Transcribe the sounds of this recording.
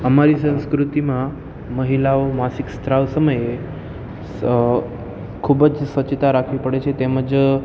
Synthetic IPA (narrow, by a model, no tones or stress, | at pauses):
əmaɾisə̃w̃skɾut̪imã | məɦilaomasikst̪ɾaʋsəməje | kʰubəd͡ʒsʋət͡ʃət̪aɾakʰʋipəɽet͡ʃʰet̪eməd͡ʒ